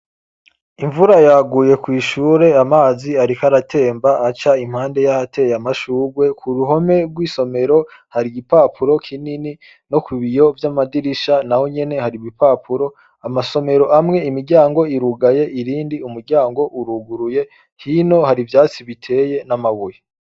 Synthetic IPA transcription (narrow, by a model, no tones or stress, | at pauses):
iɱvuɾajaɡuːje̞kwiːʃuɾe̞amaːziaɾikaɾatʰe̞ːmbaːt͡ʃaim̥haːnde̞jahatʰe̞jamaʃuːɡwe̞kʰuɾuɦo̞me̞ɡwiːso̞me̞ɾo̞haɾiɡipaːpʰuɾo̞kʰinini | no̞kuβijo̞vjamadiɾiʃanaho̞ɲe̞ne̞haɾiβipapʰuɾo̞ | amaso̞me̞ɾo̞ʔamŋe̞imiɾɟaːŋɡo̞iɾuɡaje̞ʔiɾiːndiumuɾɡɟaːŋɡo̞ʔuɾuɡuɾuje̞ | hino̞haɾivjaːt͡siβitʰe̞ːje̞namaβuje